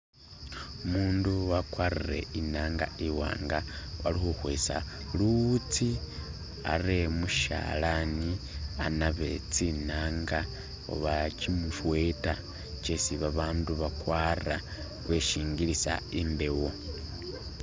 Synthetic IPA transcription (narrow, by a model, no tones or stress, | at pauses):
umuːnduwakwarire̞̰inaːŋɡa̰iwa̰ːŋɡawa̰lixuhweːsa̰ | lut͡si | a̰re̞muʃa̰lanianaβe̞̰t͡sinaːŋɡa | o̰βacimufwe̞ta | t͡ʃesiβaβaːnduβakwaːra | βe̞ʃiːŋɡilisa̰imbe̞wo̞